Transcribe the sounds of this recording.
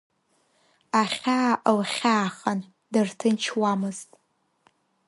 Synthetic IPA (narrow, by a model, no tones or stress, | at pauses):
aχʲaːʔlχʲaːχan | dɨrtʰɨnt͡ʃʰwamɨztʼ